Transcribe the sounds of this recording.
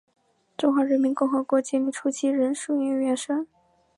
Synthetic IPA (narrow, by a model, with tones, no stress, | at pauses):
ʈ͡ʂʊ˥ŋxwa˧˥ɻə˧˥nmi˧˥nkʊ˥˩ŋxɤ˧˥kwɔ˧˥t͡ɕjɛ˥li˧˥˩ʈ͡ʂʰu˥t͡ɕʰi˥ɻə˧˥nʂu˥˩ɛ˥˩ɥɛ˧˥nʂə˥n